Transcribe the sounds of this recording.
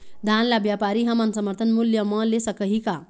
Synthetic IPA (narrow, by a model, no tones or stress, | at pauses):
d̪ʱanlabjapaɾiɦamansəməɾt̪ʰənmuljəmʌlesəkəɦika